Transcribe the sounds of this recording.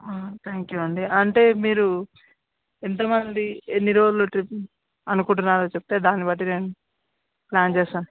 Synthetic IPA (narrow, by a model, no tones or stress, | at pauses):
at̪ʰaːŋkjuɐɳɖiɐɳʈe̞ːmiːɾu | int̪ɐmɐnd̪ienːiɾo̞ːd͡ʒuloʈɾip | ɐnukuɳʈunːaːɾoːt͡ʃeb̚ut̪e̞ːd̪aːnːibɐʈ̬ːine̞ːnu | plaːnt͡ʃeːsaːn